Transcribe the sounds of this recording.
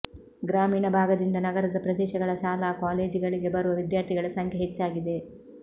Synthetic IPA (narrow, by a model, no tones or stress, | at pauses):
ɡɾaːmiːɳɐbʱaːɡɐd̪ind̪ɐnɐɡɐɾɐd̪ɐpɾɐd̪ɛːʃɐɡɐɭɐʃaːlaːkaːleːd͡ʒiɡɐɭiɡe̞bɐɾuʋɐʋid̪jaːɾt̪ʰiɡɐɭɐsɐŋkʰeɦet͡ʃːaːɡid̪e̞